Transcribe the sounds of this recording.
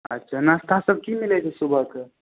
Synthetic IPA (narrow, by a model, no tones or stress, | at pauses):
ə̰tːʃʰanast̪ʰasəb̚kimilɛt͡ʃʰɛsubʱəke